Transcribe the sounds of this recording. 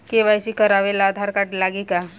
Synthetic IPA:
keʋajɕiːkəɾaʋelaːd̪ʱaɾkaʈlaɡika

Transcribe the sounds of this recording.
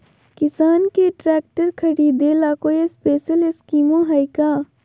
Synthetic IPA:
kɪsaːnkeʈɾɛːk̚ʈəɾkʰɐɽiːd̪elaːkoːjespeːʃəlɪskiːmõɦaɪkaː

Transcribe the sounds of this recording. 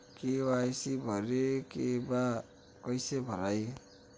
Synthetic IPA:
kebajsibʱʌɾekeba | kʌjsebʱʌɾaj

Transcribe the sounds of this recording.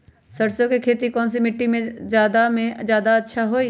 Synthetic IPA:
səɾsjõkekʰeːt̪ikɔːnsemɪʈːimẽzjaːd̪amẽzjaːd̪aɐtːʃʰaɦoːiː

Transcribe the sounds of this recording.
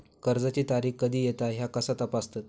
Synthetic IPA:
kəɾd͡zat͡ɕiːt̪aɾiːkkːəd̪ʱiːjet̪aɦjakəsat̪əpast̪at̪̚

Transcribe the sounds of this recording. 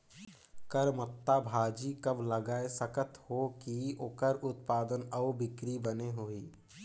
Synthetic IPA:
kəɾmət̪ːabʱaːd͡ʒikɐbləɡaːesəkət̪hokiokəɾʊt̪paːd̪ənəʊbɪkɾibəneɦoːiː

